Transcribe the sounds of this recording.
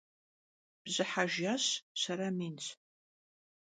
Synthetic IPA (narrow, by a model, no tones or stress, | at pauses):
b̥zɨħaʒaɕsɐɾɐmiːnt͡sʰʼ